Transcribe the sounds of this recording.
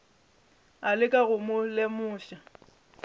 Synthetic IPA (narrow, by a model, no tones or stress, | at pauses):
alɪkʼaɣʊmʊlemʊːʃa